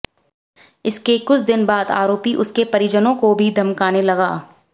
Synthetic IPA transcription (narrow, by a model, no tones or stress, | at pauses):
ɪskekʊt͡ʃʰd̪ɪnbaːd̪a̰ːɾoːpiʔʊskepɐɾid͡ʒənõkobʱid̪ʱɐmkaːnelɐɡaː